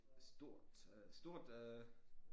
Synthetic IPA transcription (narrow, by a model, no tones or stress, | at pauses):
sd̥o̝ɐ̰d̥sd̥o̝ɐ̰d̥ø